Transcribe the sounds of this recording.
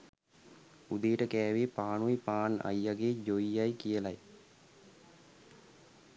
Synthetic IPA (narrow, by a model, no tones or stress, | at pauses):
ud̪ejːʈəkæːʋepaːnuipaːna̰jːaɡeːd͡ʒoijajkijəlaj